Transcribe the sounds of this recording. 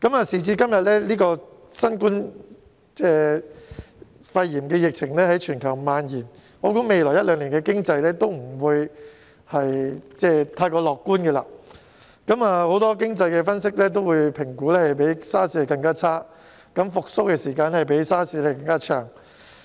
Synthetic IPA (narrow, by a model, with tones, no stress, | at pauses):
kɐ˨˥maː˨˧siː˨˩t͡siː˧kɐ˥mjɐ˨t̚lɛː˥liː˥kɔː˧ | sɐ˥nkuː˥n | t͡sɛː˥˧ | fɐ˧jjiː˨˩mkɛː˧jɪ˨k̚t͡sʰɪ˨˩ŋlɛː˥hɐ˨˥jt͡ʃʰyː˨˩nkʰɐ˨˩wmaː˨˧njiː˨˩n | ɔː˨˧kuː˨˥me˨˧jlɔː˨˩jɐ˥t̚lœː˨˧ŋliː˨˩kɛ˧kɪ˥ŋt͡sɐ˧jlɛː˥t̪o˥wm̩˨˩wuː˨˧j | hɐ˨jt͡sɛː˥˩t̪ʰaː˧jkɔː˧lɔː˨kːuː˥nkɛ˧la̰ː˧ | kɐ˨˥maː˨˧ho˨˥wt̪ɔː˥kɪ˥ŋt͡sɐ˧jkɛː˧fɐ˥nsɪ˥k̚lɛː˥t̪̬o˥wuː˨˧jpʰɪ˨˩ŋkuː˨˥lɛː˥hɐ˨˩jpe˨˥jsaː˥siː˧˥˨kɐ˧ŋkaː˥t͡sʰaː˥ | kɐ˨˥mfʊ˨k̚so˥wkɛː˧siː˨˩kaː˧nhɐ˨˩jpe˨˥jsaː˥siː˨˧˥le˨˩jkɐ˧ŋkaː˥t͡ʃʰœ̰ː˨˩ŋ